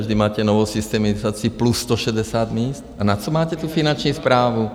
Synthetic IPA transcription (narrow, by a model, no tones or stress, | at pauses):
ʒd̪imaːcɛnɔʋɔwsist̪ɛmizaːt͡sɪuplusːt̪ɔʃɛdɛsad̪miːst̪anat͡sɔmaːcɛt̪ufinant͡ʃnispɾaːʋu